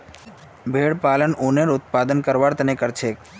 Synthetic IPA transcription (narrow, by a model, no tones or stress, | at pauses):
bʱeːɽpaːlənuːneɾʊt̪̚paːd̪ənkəɾʋaɾt̪ənekəɾt͡ʃʰeːk